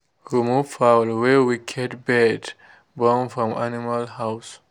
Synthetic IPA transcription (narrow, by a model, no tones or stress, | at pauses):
ɹimufaʊlwɛwiɡʰɛtbɛd | bɔ̃nfɹɔ̃manimalhaʊs